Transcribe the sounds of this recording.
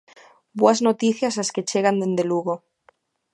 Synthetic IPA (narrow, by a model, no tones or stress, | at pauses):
bwaznot̪iθjasaske̞t͡ʃe̞ɣand̪e̞nd̪eluɣo